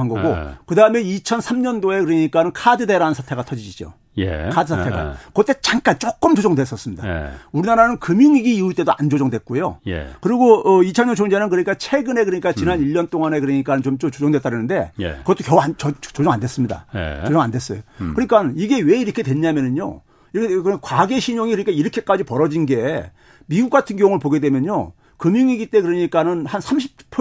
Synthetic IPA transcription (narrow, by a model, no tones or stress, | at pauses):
anŋɡʌɡokɯdaɯme̞it͡ɕʰʌnsʰamɲʌndoe̞kɯɾʌɲik͈anɯnkʰadɯde̞ɾaɯnsʰatʰe̞ɡatʰʌd͡ʑid͡ʑid͡ʑo̰ | jḛkʰadɯsʰattʰe̞ɡa̰kʌt͈et͡ɕaŋk͈ant͡ɕ͈ok͈ɯmt͡ɕod͡ʑʌŋdwe̞s͈ʌs͈ɯmɲidauɾinaɾanɯnkɯmiŋiɡiːuɭt͈e̞doʔand͡ʑod͡ʑʌŋdwet̚k͈ujo̰jḛkɯɾiɡoːit͡ɕʰʌɲʌnt͡ɕʰoŋd͡ʑenɯnkɯɾɲik͈at͡ɕʰe̞ɡɯne̞kɯɾɯɲik͈at͡ɕinɦaniʎːʌnt͈oŋane̞kɯɾʌɲik͈anɯnt͡ɕomt͡ɕot͡ɕod͡ʑʌŋdwet͈aɾjinɯnde̞j̰kɯɡʌt͈okjʌant͡ɕʌt͡ɕod͡ʑʌŋandes͈ɯmɲida̰j̰od͡ʑʌŋande̞s͈ʌjokkɯɲik͈anniɡe̞we̞iɾʌkʰe̞twe̞nɲamjʌnɯɲo̰ | iɾʌkʰekkwaɡe̞ɕʰiɲoŋikɯɾɲik͈ʰaiɾʌkʰe̞k͈ad͡ʑipʌɾʌd͡ʑinɡe̞ | miɡuk͈atʰɯnɡjʌoŋɯɭpoɡe̞dwe̞mjʌɲo̰ | kɯmiŋiɡit͈e̞kɯɾʌɲik͈anɯnhansʰamɕʰi̥p̚pʰ